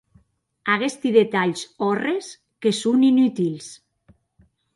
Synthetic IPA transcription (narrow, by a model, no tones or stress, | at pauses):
aɣest̪iðet̪aʎsɔres | kesuninyt̪ils